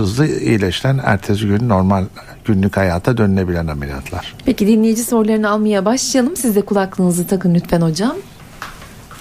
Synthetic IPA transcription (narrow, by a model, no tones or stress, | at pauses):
ɯzlˠɯḭjlʲɛʃilʲænæ̰ɾt̪ʰeziɟynyno̞ɾmalʲ | ɟ̥ynlʲychajaːt̪ʰad̪ønyne̞bilʲænhamelʲija̰t̪ʰlˠa̰ɾ̥pʰecid̪inlʲejid͡ʒiso̞ɾlˠaɾɯnalˠmajabaʃlˠajalˠɯmsizd̪ɛkʰulˠaklˠɯːnɯzɯt̪ʰakɯnlʲyt̪fæno̞d͡ʒam